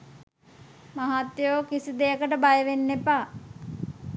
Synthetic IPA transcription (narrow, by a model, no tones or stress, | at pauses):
maɦat̪joːkisid̪ejəkəʈəbajəʋenːepaː